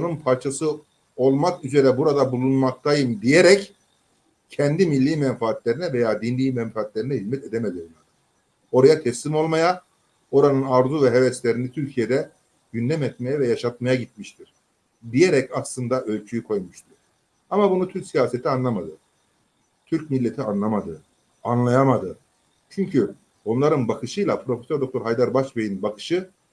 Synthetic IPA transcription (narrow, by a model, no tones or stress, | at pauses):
onunpʰaɾt͡ʃʰasɯ | o̞lˠmakyze̞ɾɛbuɾad̪abulˠunmak̚t̪ʰajɯmd̪ijeɾɛc | cʰɛnd̪imilʲːiːmɛnfaːt̪ʰlʲe̞ɾinɛvejaːd̪inlʲiːmɛɱfaːt̪lʲe̞ɾinɛhizmɛt̪ʰe̞d̪emed̪iɾlad̪ | o̞ɾajat̪ʰɛslʲimo̞lˠmaja | o̞ɾanɯnaɾzuvɛɦevɛst̪lʲeɾinit̪ʰyɾcʰije̞d̪ɛ | ɟynd̪ɛmɛt̪mejɛvɛjaʃat̪̚majaɟit̪̚miʃt̪ʰiɾ̥ | d̪ijeɾɛcaslˠɯnd̪aʔø̞lʲt͡ʃʰyjykʰo̞jmuʃt̪ʰuɾ̥ | amabunut̪ʰyɾcsijaːset̪ʰianlˠamad̪ɯ | t̪ʰyɾcmilʲːet̪ʰianlˠamad̪ɯ | anlˠajamad̪ɯ | t͡ʃʰyɲcʰy | bonlˠaɾɯnbakʰɯʃɯjlˠapʰɾo̞fesøɾd̪okt̪ʰoɾɦajd̪aɾbaʃbejinbakʰɯ̥ʃɯ